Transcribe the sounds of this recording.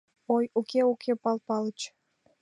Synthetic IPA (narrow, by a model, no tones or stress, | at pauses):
ojukʰeukʰepɑlpɑlət͡ɕ